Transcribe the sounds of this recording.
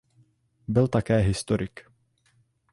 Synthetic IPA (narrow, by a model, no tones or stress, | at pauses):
bɪlt̪akɛːɦɪst̪oɾʔɪk